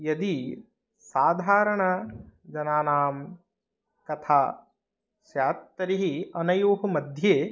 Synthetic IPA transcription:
jɐd̪i | saːd̪ʱaːɾɐɳɐd͡ʒɐnaːnaːm | kɐt̪ʰaː | ʃjaːt̪ːɐɾiɦiɐnɐjuːɦɐmɐd̪ʱjeː

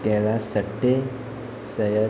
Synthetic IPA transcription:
kɛlasəʈːe | səjə

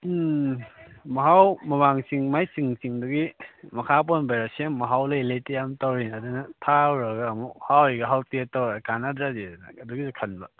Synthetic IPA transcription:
mɐɦawmɐmaŋsiŋmajsiŋsiŋduɡimɐkʰap̬onbajɾasenmɐɦawlɐilejtejamtawɾinɐdunɐtʰawɾɐɡɐːmuhawiɡɐɦawtietawɾkanadɾadidnɐ̰ːduɡizukʰɐnbɐ

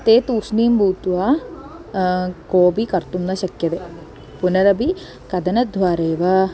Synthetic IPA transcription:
t̪eːt̪uːsniːmbʱuːt̪uʋaː | koːbikɐɾt̪umnɐʃɐkjɐt̪eː | punɐɾɐbʱi | kɐd̪ɐnɐd̪ʱʋaːɾeːʋɐ

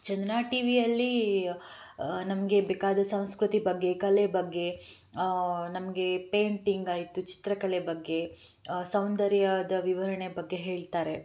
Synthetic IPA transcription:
t͡ʃɛnd̪ɐnaːʈiːʋijɐlːi | nɐmɐɡe̞beːkaːd̪ɐsɐ̃w̃skɾut̪ibɐɡːe̞kɐlebɐɡːe̞ | nɐmɐɡe̞peːɳʈiŋɡaːjit̪ːut͡ʃi̥t̪ɾɐkɐlebɐɡːe̞ | sɐwnd̪ɐɾjad̪ɐʋiʋɐɾɐɳebɐɡːe̞ɦe̞ːɭt̪aːɾe̞

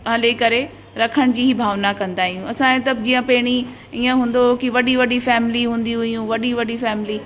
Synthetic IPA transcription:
ɦɐlekɐɾe | ɾɐkʰəɽ̃d͡ʑiːɦibʱaːʋnakɐ̃nd̪aːɦijũɐsãẽt̪ɐd͡ʑiːə̃pɐɦɪɽ̃i | iːə̃ɦũːn̆d̪okiʋɐɗiʋɐɗifɛːmɪliɦũːn̆d̪iɦʊjũʋɐɗiʋɐɗifɛːmɪli

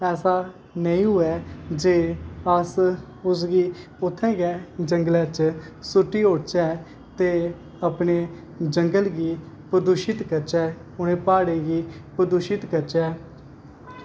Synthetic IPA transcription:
ɛːsaː | nəĩːɦʊɛːd͡ʒeːəs | ʊs̬ɡiː | ʊt̪ʰːɛ̃ːkɛːd͡ʒəŋɡəlɛːt͡ʃ | sʊʈːiːoɽt͡ʃɛː | t̪eː | əpneː | d͡ʒəŋɡəlɡiː | pəd̪uːʃɪt̪kət͡ʃɛː | ʊnẽːpaːɽeːɡiːpəd̪uʃɪt̪kət͡ʃɛː

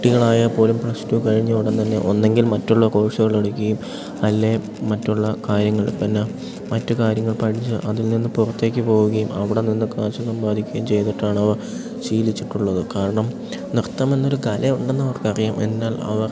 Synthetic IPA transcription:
ʈːiɣɐɭaːjɐpo̞ːlumprɐstukɐɻiɲːɐʋiɽɐnt̪ɐnːe̞̰ʔo̞nːe̞ŋɡilmɐtːuɭːɐko̞ːʂɐɣɐɭeɽukʲːɐjum | ɐlːe̞ | mɐtːuɭːɐkaːɾjɐŋːɐɭpɐnːɐ | mɐtːɨkaːɾjɐŋːɐɭpɐʈʰit͡ɕːɨ̰ʔɐðilninːɨpurɐt̪ːe̞ːkʲːɨpo̞ːɣuɣɐjumɐʋiɽe̞ninːɨkaːt͡ɕːɐsɐmbaːd̪ʱikʲːɐjumt͡ɕe̞jt̪iʈːaːɳɐʋɐr | t͡ɕiːlit͡ɕːiʈːuɭːɐðɨkaːɾɐɳɐm | nirt̪ːɐmenːo̞ɾukɐlɐuɳɖenːɐʋɐrkɐrijamʔe̞̰nːaːlɐ̰ʋɐr

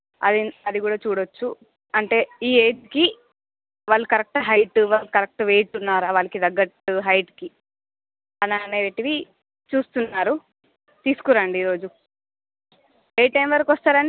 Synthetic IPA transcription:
ɐ̰d̪iɐd̪ikuːɽaːt͡ʃuːɽot͡ʃːu | ɐɳʈe̞ːiːeːʈki | ʋaːɭːukɐɾɐk̚ʈɐɦɐjʈʋaːlkɐɾɐk̚ʈʋeːjʈunːaːɾaːʋaːɭɐkid̪ɐɡːɐʈɦɐjʈki | ɐnaneːʈiʋi | t͡ʃuːst̪unːaːɾu | t̪iːsu̥kuɾaːɳɖiːɾo̞ːd͡ʒu | eːʈɐjmʋɐɾɐkʋɐst̪aːɾɐni

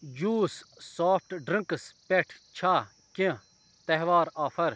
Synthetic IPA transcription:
d͡ʒuːsːaːpʰʈɖɾɐ̃ŋkspeʈʰt͡ɕʰa | kẽ | t̪ɐɦʋaːɾaːfɐɾ

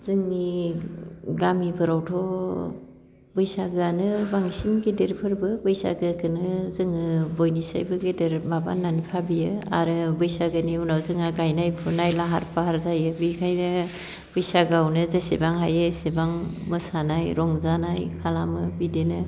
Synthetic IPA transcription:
z̥ɯŋni | ɡamibʰɯɾawtʰɔ | bɯjsaɡɯanɯbaŋsinɡedeɾpʰɯɾbɯbɯjsa̰ɡɯkʰɯnɯzɯŋɯbojnisa̰jbɯɡedeɾmaba̰nːanipʰabijɯa̰ɾɯbɯjsaɡɯniunawzɯŋaɡajnajpʰɯnajlaɦa̰ɾpʰaɦaɾzajɯbikʰajnɯ | b̥ɯjsaɡawnɯzesebaŋɦajɯsebaŋmɯsanajɾɔŋzanajkʰalamɯbidenɯ

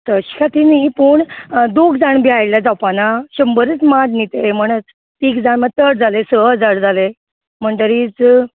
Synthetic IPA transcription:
t̪əɕi̥kʰat̪inipuːɳd̪oɡd͡zaɳbiajljad͡zawpanaɕəmbəɾət͡smadnit̪em̤əɽ̃ət͡s | t̪iːkd͡zaɳmət̪əɽd͡zalesəd͡zaɽd͡zale | m̤əɳɖ̪əɾiːt͡s

